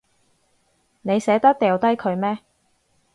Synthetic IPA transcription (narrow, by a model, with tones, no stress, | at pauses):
ne˨˧jsɛː˨˥t̪ɐ˥k̚t̪ɛː˨wt̪ɐ˥jkʰɵ˨˧ɥmɛː˥